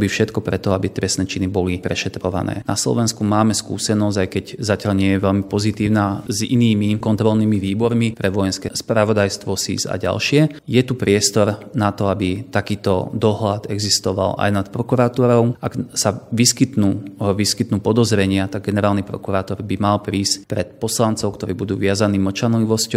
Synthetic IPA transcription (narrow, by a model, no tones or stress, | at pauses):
bifʃɛt̪kɔpɾɛt̪ɔabit̪ɾɛsnɛt͡ʃinibɔlipɾɛʃɛt̪ɾɔʋa̰nɛ̰ːna̰slɔ̰ʋɛnskumaːmɛskṵːsɛnɔzajkɛɟzacaʎɲɪɛjɛʋɛlmipɔzit̪iːʊnaːzḭniːmikɔnt̪ɾɔlniːmiʋiːbɔɾmipɾɛʋɔjɛnskɛspɾaʋɔd̪ajst̪ʋɔsḭza̰ɟa̰lʃɪɛjɛt̪upɾɪɛst̪ɔɾnat̪ɔabit̪akiːt̪ɔ̰d̪ɔɦlad̪ɛɡzist̪ɔʋa̰la̰jnat̪pɾɔkuɾat̪uːɾɔʊʔaɡsaʋiskit̪nuːʋiskit̪nuːpɔd̪ɔzɾɛɲɪat̪aɡ̚ɡɛnɛɾaːlnipɾɔ̰kuɾaːt̪ɔɾbimalpɾiːscpɾɛt̪pɔslant͡sɔʊkt̪ɔɾiːbud̪uːʋɪazaniːmɔt͡ʃanliʋɔscɔ